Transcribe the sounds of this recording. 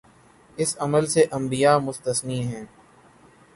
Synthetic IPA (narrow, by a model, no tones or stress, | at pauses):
ɪsɐməlseʔɐ̃mbijaːmʊst̪əsniːɦɛ̃ː